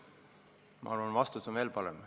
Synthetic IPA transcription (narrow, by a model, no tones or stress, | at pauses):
mɑ̰ɑɾvɑnvɑst̪usonveːlpɑɾem